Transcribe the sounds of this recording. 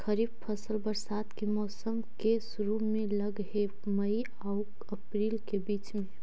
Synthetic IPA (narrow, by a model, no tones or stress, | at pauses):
kʰəɾiːb̚pʰəsəlbəɾsad̪kimɔːsəmkesʊɾumẽləɡɦe | məi | auk | əpɾiːlkebiːt͡ʃmẽ